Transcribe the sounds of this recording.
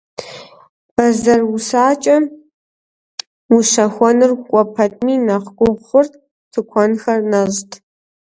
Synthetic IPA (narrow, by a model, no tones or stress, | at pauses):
b̥ɐzɐrusaːt͡ʃʼɐ | wuʂɐxʷɔnɨrkʷʼɔpʰɐtʼmiːnɐqɡʷʊʁʷχʷʊrtʰʼ | tʰɨkʷʰɔnxɐrnɐʒtʰʼ